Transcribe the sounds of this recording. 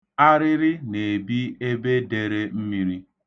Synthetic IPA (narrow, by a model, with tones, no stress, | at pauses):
a˦ɾɪ˦ɾɪ˦ne˨bi˦e˦be˦de˨ɾe˦m̩˦mi˦˨ɾi˦